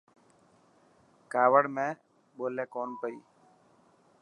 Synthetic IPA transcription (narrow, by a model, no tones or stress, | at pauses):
kaːʋəɽmẽː | ɓoːleːkoːnpəḭː